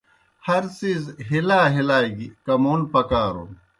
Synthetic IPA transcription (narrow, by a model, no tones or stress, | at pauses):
hɐɾsiːzɦilaːɦilaːiɡikɐmoːnpɐkaːɾo̰n